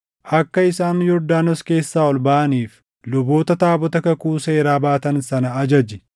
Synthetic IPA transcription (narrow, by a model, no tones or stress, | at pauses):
ʔɐkːɐɪsaːnjɔɾd̪aːnɔske̞ːsːaːɔlbaʔɐniːf | lʊbo̞ːt̪ɐt̪aːbɔt̪ɐkɐkuːse̞ːɾaːbaːt̪ɐnsɐnɐːd͡ʒɐd͡ʒɪ